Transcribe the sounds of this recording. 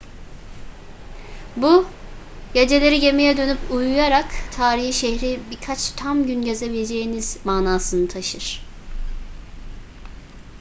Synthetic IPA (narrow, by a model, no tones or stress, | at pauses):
bu | jed͡ʒe̞lʲe̞ɾiɟe̞mejɛd̪ø̞nypʰujujaɾakt̪ʰaːɾihiʃɛhɾibikʰat͡ʃt̪ʰamɟynɟe̞ze̞bilʲed͡ʒe̞jiniz̥maːnaːsɯnɯt̪ʰaʃɯɾ̥